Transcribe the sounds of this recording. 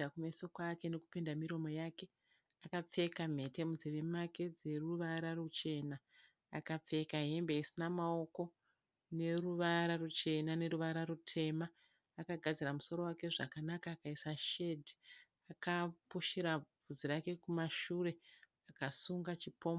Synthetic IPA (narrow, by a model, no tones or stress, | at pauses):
akumeso̞kwake̞ne̞kupendamiɾo̞mo̞jaːke̞ | akap͡fe̞kam̤e̞te̞mud͡ziʋemake̞d͡ze̞ruʋaɾarut͡ʃe̞naː | kap͡fe̞kaɦe̞mbe̞isinamao̞ko̞ | ne̞ɾuʋaɾarut͡ʃe̞nane̞ɾuʋaɾaɾutʰe̞maː | kaɡʱad͡ziɾamuso̞ɾo̞wake̞ʐa̰kanakaːkaisaʃe̞dʱi | akapoʃeɾavʱuziɾake̞kumaʃuɾe̞ | akasuŋɡat͡ʃipo̞ːm